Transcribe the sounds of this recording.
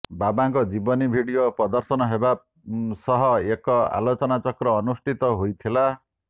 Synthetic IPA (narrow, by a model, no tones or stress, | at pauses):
babakod͡zibʌnibʱiɽijoprʌd̪ʌrsʌnʌɦeba | sʌɦʌekːʌa̰lot͡sʌnat͡sʌkrʌːnusʈit̪ʌɦujt̪ʰela